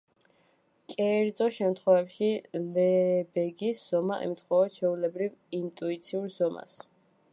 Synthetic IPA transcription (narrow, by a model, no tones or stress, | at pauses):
kʼɛːɾd̪zʼɔʃɛmt̪ʰχwɛvɛpʃilɛbɛɡisz̥ɔmaʔɛ̰mt̪ʰχwɛvat͡ʃʰɛulɛbɾivint̪ʼuit̪sʰiuɾzɔma̰s